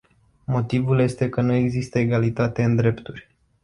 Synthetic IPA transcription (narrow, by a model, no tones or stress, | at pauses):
mo̞t̪ivulje̞st̪e̞kənue̞ɡzist̪əeɡalit̪at̪e̞ɨnd̪ɾe̞pt̪urʲ